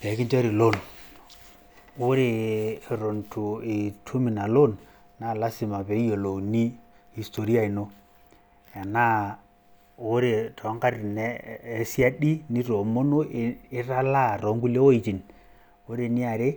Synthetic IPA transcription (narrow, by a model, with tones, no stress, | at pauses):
pɛ˨˦kɪ˦nte˦ɾi˨lo˦˨n | o˦ɾe˨ɾo˨ntu˨i˨tʰu˦mi˨na˨lo˦n | na˦˨la˦sɪ˨ma˨pe˨i˦jo˨lo˨ni˦ | i˨sto˨ɾi˦a˦˨i˨no˦ | ja˨na˦ | o˦ɾe˨tɔ˨˦ŋka˦rnː˦si˦a˦ɗi˦ni˦to˨mo˦no˦˨ɪ˦ɾa˦la˦˨ɾɔ˨˦ŋɡu˦le˦wo˦i˨t͡ʃi˨n | o˦ɾe˨nɪ˦a˨ɾe˦